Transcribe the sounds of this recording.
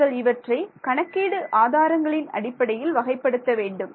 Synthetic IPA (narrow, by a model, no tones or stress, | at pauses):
ɐɭɪʋɐʈrɐɪkɐɳɐkːeːɽɯʔaːðaːɾɐŋɡɐɭɪnɐ̰ɽɪpːɐɽɐjɪlʋɐɣɐɪpːɐɽɯt̪ːɐʋeːɳɖɯm